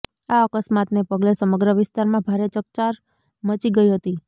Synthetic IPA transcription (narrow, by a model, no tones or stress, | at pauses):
aəkəsmat̪nepəɡlesəməɡɾəʋɪst̪aɾmãbʱaɾet͡ʃək̚t͡ʃaɾ | mət͡ʃiɡəiɦət̪i